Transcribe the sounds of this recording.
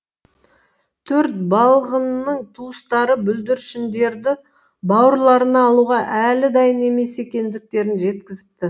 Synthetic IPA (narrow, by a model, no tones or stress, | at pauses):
t̪ʰɵɾt̪̚bɑlˠʁənːəɴt̪ʰuəst̪ɑɾəbʏld̪ɪɾʃɪnd̪e̞ɾd̪ɪ | bɑwəɾlˠɑɾənɑːlˠuʁɑʔælɪd̪ɑjəne̞me̞se̞kʲe̞nd̪ɪk̚t̪e̞ɾɪnʒe̞t̪kʲɪzɪp̚t̪ɪ